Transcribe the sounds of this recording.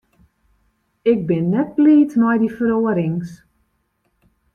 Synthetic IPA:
ɪk̚bɪnːɛt̚bliːtmɔjdifəroəɾɪŋs

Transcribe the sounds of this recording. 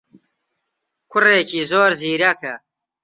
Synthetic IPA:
kʰʊreːkiːzoːɾziːɾɐkʰɐ

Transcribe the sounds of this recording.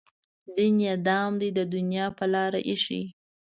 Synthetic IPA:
d̪injad̪ɑmd̪ijd̪əd̪ʊnjɑpəlɑɾaʔiʃḭ

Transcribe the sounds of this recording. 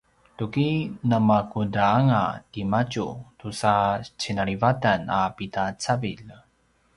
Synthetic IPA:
tukinamakudaaŋatimat͡ʃutusat͡ɕinaɭivatanapitat͡savil

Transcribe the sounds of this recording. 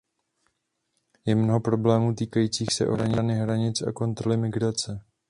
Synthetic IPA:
jɛmno̞ɦo̞pɾo̞blɛːmuːt̪iːkajiːt͡siːxsɛ̰ʔo̰ɾaɲɪnɪɦɾaɲɪt͡sa̰ko̞nt̪ɾo̞lɪmɪɡɾat͡sɛ

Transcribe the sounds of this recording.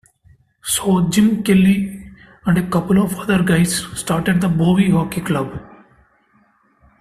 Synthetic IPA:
soːd͡ʒɪmkɪlːi | ɛ̃ɳɖekɐpəlɔfɐd̪əɾɡaɪsːʈaːɾʈeɖ̚d̪əboːʋiɦɔːkiklɐb

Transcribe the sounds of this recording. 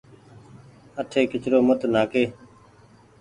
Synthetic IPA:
əʈʰeːkɪt͡ʃɾoːmət̪naːkeː

